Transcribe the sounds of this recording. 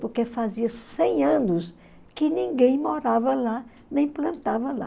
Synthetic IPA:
poɾkefaziɐsẽj̃ɐ̃nʊs | kɪnĩŋɡẽj̃moɾavɐla | nẽj̃plɐ̃nt̪avɐla̰

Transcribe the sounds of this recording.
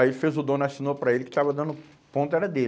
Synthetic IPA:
aielɪfezʊd̪õnasinopɾɐelɪkɪ̥t̪avɐd̪ɐ̃nʊ | põt̪ʊɛɾɐd̪el

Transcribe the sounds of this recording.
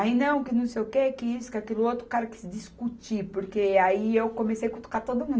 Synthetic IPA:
ainɐ̃w̃kɪnɐ̃w̃sejʊkeɛkɪisʊ̥kɪakelʊot̪ɾʊ̥kaɾɐkɪ̥sɪd̪iskut͡ʃipoɾkeaiewkomesejkõt̪o̥kat̪od̪ʊmũ

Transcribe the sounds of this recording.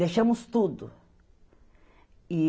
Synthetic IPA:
eʃɐ̃mʊst̪ud̪ʊ̰ | i

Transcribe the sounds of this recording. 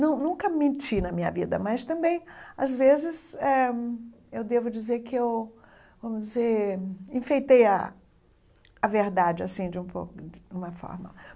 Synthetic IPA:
nɐ̃w̃nũkɐmẽt͡ʃinɐmĩɲɐ̰vḭd̪ɐ̰mɐst̪ɐ̃mbẽj̃azvezɪzɛ | ewd̪evʊd͡ʒizeɾkɪew | vɐ̃mʊd͡ʒɪzeɾĩfejt̪ejɐ | ɐveɾd̪ad͡ʒɪasĩd͡ʒɪũpo̰wkʊũmɐfɔ̰ɾmɐ̰

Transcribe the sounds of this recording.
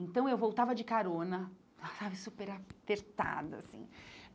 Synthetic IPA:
ẽt̪ɐ̃w̃ewvowt̪avɐd͡ʒɪkaɾõnɐ | asavɪsupeɾapeɾt̪a̰d̪ʊa̰sḭ̃

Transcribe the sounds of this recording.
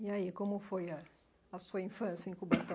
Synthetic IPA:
jajekomũfɔja | asɔĩfãsĩkubata

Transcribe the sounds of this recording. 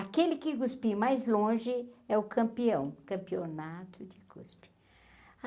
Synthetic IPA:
akelɪkɪɡuspimajzlõʒɪɛʊkɐ̃mpiɐ̃w̃kɐ̃mpionat̪ʰʊd͡ʒɪɡṵspɪ̥

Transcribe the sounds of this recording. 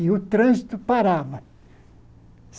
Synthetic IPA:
ɪʊt̪ɾɐ̃zit̪ʊpaɾavɐ | s

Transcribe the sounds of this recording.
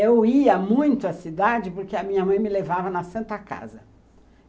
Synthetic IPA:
ewiɐmũj̃t̪ʊɐsid̪ad͡ʒɪpoɾkeɐmĩɲɐmɐ̃j̃mɪlevavɐnɐsɐ̃nt̪ɐka̰zɐ

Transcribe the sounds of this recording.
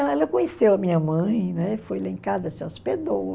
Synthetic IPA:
ɛlɐkõɲesewɐmĩɲɐmɐ̃j̃nɛfojlaĩkazɐseosped̪o

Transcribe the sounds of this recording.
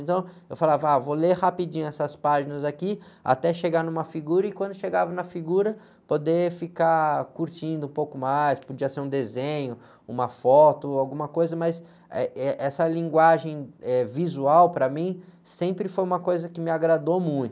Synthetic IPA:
nt̪ɐ̃w̃ | ewfalavɐavolehapid͡ʒĩɲʊɛsɐspaʒinɐzakia̰t̪ɛʃeɡanũmɐfiɡuɾɐɪkwɐ̃nd̪ʊʃeɡavɐnɐfiɡuɾɐ | pod̪efikakuɾt͡ʃĩnd̪ʊũpowkʊmajspod͡ʒiɐseɾũd̪ezẽɲʊ | ṵ̃mɐfɔt̪ʊawɡũmɐkojzɐmɐs | ɛɛʔɛsɐlĩŋɡwaʒẽj̃ɛvizuawpɾɐmĩsẽmpɾɪfojũmɐkojzɐkɪmɪaɡɾad̪omũj̃t̪ʊ

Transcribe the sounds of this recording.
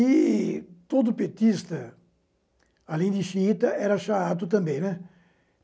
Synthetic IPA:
i | t̪od̪ʊupiet̪ist̪ɐ | alẽj̃d̪ɪʃiit̪ɐʔɛɾɐʃaat̪ut̪ɐ̃mbẽj̃nɛ

